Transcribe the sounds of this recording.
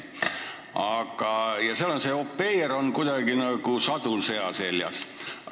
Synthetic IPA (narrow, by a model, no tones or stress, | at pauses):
ɑɡ̥ɑjɑseɑlonse̞opːe̞jeɾo̞nkujd̪ɑɡinɑɡ̥usɑd̪̥ulse̞ɑse̞ljɑ̰s